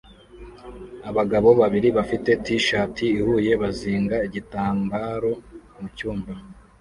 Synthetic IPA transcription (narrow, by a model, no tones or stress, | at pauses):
aβaɡaβo̞βaβiɾiβafite̞tiʃaːtʰiːhuje̞βaziːŋɡaiɟitaːŋɡaːɾo̞mucuːmba